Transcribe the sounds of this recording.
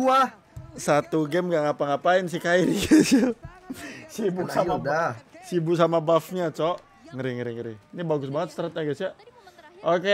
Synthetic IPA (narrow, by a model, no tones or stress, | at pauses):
ua | sat̪uɡɛmɡaʔŋapaŋapaɪnsikainiɡisi | sibusaadasibuksamabafɲat͡ʃɔʔ | ŋəɾiŋəɾiŋəɾɪnibaɡʊsbaŋət̪̚st̪əɾət̪̚ɲaɡɛsia | oke